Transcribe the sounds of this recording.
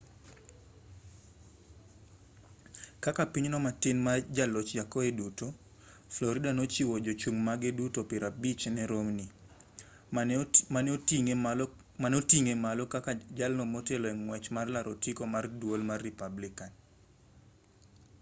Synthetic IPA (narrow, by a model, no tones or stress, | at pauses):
kakapiɲnɔmatɪnmad͡ʒalɔt͡ʃd͡ʒakɔeduto | flɔɾɪdanot͡ʃiwɔd͡ʒot͡ʃuŋmaɡedutopiɾabit͡ʃnɛɾomni | manoiŋ | manotiŋemalɔkakad͡ʒalnɔmɔtɛlɔɛŋŋwɛt͡ʃmarlaɾotikomardwolmarːipablikan